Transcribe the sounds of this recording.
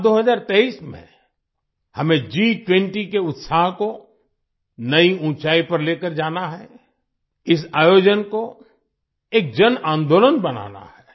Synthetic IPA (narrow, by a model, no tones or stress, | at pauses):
d̪oːɦəzaːɾt̪ɛːiːsmḛ̃ | hɐmẽd͡ʒiʈwẽɳʈikeʊt̪saːɦko | nɐiũːt͡ʃaːipɐɾleːkəɾd͡ʒaːnaɦɛ | ɪs̬aːjoːd͡ʒənko | eːk̚d͡ʒənãːnd̪oːlənbɐna̰ːna̰hɛː